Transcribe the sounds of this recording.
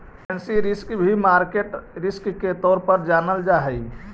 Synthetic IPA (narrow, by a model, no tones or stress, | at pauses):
ɛnsiɾiskbʱimaɾkeʈɾiskːet̪ɔɾpəɾd͡ʒanəld͡ʒaɦɛj